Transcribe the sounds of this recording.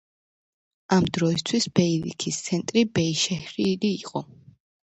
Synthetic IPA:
amd̪ɾɔist̪ʰwisbɛilḭkʰist̪sʰɛnt̪ʼɾibɛiʃɛhɾiːliːqʼɔ

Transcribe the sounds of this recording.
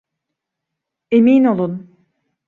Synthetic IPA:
emiːno̞lˠun

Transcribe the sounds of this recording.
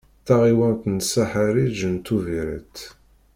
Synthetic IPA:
θaʁiwænt̪nsaħaɾid͡ʒənt̪ːuviɾə̰t̪

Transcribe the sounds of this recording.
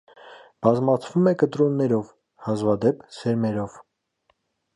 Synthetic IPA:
b̥ɑzmɑt͡sʰvumɛkət̪ɾunːɛɾɔv | hɑzvɑd̪ɛpʰsɛɾmɛɾɔv

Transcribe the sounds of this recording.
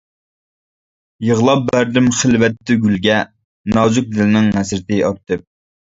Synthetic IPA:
jəʁlˠɑp̚bæɾd̪ɪmχəlvɛt̪ʰːɪɡʲylɡʲɛ | nɑːzʊk̚d̪ɪlɪnɪŋmɛsɾɪt̪ɪɑɾt̪ʰɨp̚

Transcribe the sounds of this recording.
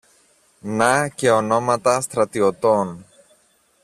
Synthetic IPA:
nɐce̞ono̞mɐt̪ɐst̪ɾɐt̪iot̪on

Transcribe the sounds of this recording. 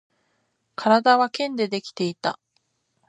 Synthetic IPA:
kʰaɾad̪aβakẽ̞nd̪e̞d̪e̞kʲi̥t̪e̞it̪a

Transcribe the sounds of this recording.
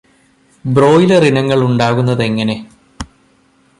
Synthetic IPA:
bro̞ːjilɐrinɐŋːɐɭuɳɖaːɣunːɐðe̞ŋːɐne̞

